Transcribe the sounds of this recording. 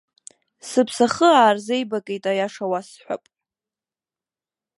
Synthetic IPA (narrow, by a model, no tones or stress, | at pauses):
sɨpʰsaχəaːrzejbakʼejtʼajaʂawasħʷᶣa̰pʼ